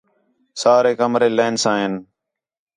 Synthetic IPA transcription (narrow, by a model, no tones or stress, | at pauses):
saːɾeːkəmɾeːleːnsãːɦɪn